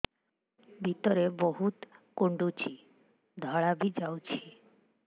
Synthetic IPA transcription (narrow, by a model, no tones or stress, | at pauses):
bʱit̪oɾeboɦut̪koɳɖut͡ɕʰi | d̪ʱɔɭabid͡ʑawt͡ɕʰi